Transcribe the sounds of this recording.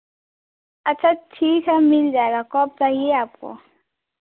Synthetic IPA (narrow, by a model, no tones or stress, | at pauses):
ɐtːt͡ʃʰaʈʰiːkʰɛmɪld͡ʒaːeɡakɔːp̚taɦieaːp̚ko̰